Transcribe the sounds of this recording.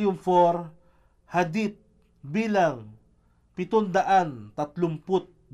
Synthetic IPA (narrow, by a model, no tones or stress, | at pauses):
jʊmfoɾ | had̪it̪̚ | biːlaŋ | pɪt̪ʊnd̪ɐʔant̪ɐt̪lʊmpʊt̪̚